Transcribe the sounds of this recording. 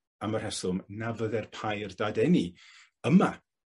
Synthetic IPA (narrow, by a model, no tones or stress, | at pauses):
amar̥ɛsʊmnavəðɛrpʰajrdadɛni | əma